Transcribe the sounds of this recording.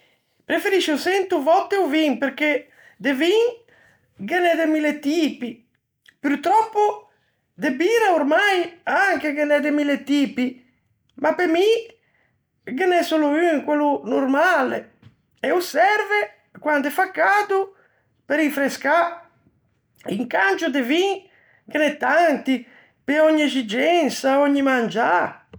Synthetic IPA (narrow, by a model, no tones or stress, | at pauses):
pɾefeɾiʃosɛnt̪uvɔt̪ːeuviŋpeɾke | d̪eviŋ | ɡenɛd̪emilːet̪iːpi | pyɾt̪ɾɔpːo | d̪ebiːɾaoɾmajaŋkeɡenɛd̪emilet̪iːpi | mapemi | kenɛsoluyŋkwɛlːunurmalḛ | ɛusɛɾve | kwant̪ɛfakːad̪u | peɾifɾeska | ḭŋkant͡ʃud̪eviŋ | kenɛt̪ːant̪i | peɔɲːiezid͡ʒɛnsaɔɲːimand͡ʒa